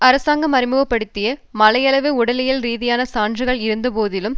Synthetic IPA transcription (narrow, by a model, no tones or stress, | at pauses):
ɐɾɐsaːŋɡɐmɐɾɪmɯʋɐpːɐɽɯt̪ːɪjɐmɐlɐjɐɭɐʋɯʊɽɐlɪjɪlɾiːðɪjaːnɐsaːndrɯɣɐɭɪɾɯnd̪ɐpoːðɪlɯm